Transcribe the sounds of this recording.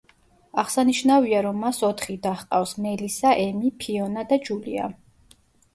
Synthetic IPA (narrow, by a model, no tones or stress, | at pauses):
aʁsaniʃnaviaɾɔmːasɔt̪ʰχid̪aχqʼafsmɛlisaʔɛmipʰiɔnad̪ad͡ʒulḭa̰